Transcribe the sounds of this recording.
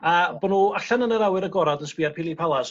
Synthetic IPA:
abɔnuːaɬanənəɾawɨɾəɡɔɾadəsb̥iarpʰilˠipʰalˠas

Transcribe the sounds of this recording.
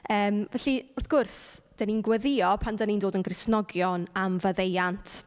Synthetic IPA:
əːmvɛɬiʊrθɡ̥ʊrsd̥əninɡwəðɪɔpʰandanindoːdənɡrɪsnɔɡjɔnamvəðejantʰ

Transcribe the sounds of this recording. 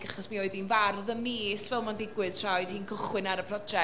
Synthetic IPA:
ɡaχɔsmaoɨðinvarðəmeːsvɛlˠmandɪɡwɪð̥tʰrajð̥hiːnkʰʊχwɪnaɾəpʰrɔd͡ʒɛ

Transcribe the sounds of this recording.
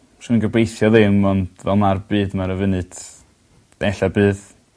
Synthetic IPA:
r̥ɪnnɡəbejθjɔðɪmːɔnd̥vɛlˠmarbɨːdmaɾəvɨnɨd̥ | ɛɬabɨːð

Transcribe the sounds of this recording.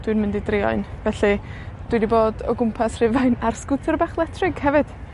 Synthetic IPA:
d̥wɨnmɪndidrɪɔ̰ɨnvɛɬid̥winiboːdɔ̰ɡʊmpʰasr̥ɪvajnarskʊtʰərbaːχlˠɛtʰrɪɡ̥hɛvɨd̥

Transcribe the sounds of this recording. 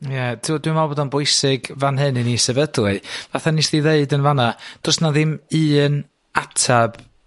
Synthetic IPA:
jɛd̥ʰɪɔdwɪmabɔdɔnbʊɨsɪɡvanɦɨnɨnisɛvədlˠɨvaθanisdiðeɨdənvanad̥ɔrsnaðɪmɨːn | atʰab̥

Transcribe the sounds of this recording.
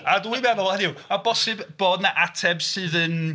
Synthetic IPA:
adwimɛðʊlˠhɛnɪwabɔsɪbb̥oːdnaʔatʰɛbsɨːðən

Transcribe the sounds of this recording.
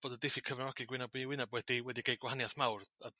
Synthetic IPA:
b̥oːdədɪfikʰəvnɔɡ̥iɡwɪnabiwɪnabwɛdiwɛdiɡejɡ̥wahanjaθmawra

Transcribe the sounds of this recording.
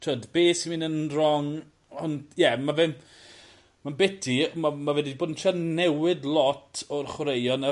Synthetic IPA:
tʰəːdbeːsimiːnənrɔŋ | ɔnjɛmavɪm | manbɛtʰimamavɛdiboːdn̩ʃʰanɛwɪdlˠɔtʰɔrχwɾejɔna

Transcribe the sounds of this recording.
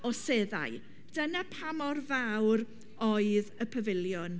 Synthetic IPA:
ɔseða̰j | d̥ənapʰamɔrvawr | ɔɨðəpʰəvɪljʊn

